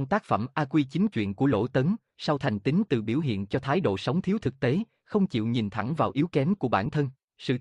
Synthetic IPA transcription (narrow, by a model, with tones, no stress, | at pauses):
ŋ͡mt̪aː˦˥k̚fə̰˧˩mʔaː˧kwi˧t͡ɕï˨˦ŋ̟t͡ɕwḭ˧˨ənku˧˩əlo̰˧˥t̪ə˨˦n | sa˧wt̪ʰa˨˩jŋ̟t̪ï˨˦ŋ̟t̪ɨ˨˩ɓi˧˩əwɦḭ˧˨ənt͡ɕɔ˧t̪ʰaː˨˦jɗo̰˧˨sə˨˦wŋ͡mt̪ʰi˨˦wt̪ʰɨ˨˩k̚t̪e˨˦ | xə˧wŋ͡mt͡ɕḭ˧˨wɲi˨˩nt̪ʰa˧˩ŋvaː˨˩wʔi˨˦wkɛ˨˦mku˧˩əɓaː˧˩nt̪ʰə˧n | sɨ̰˧˨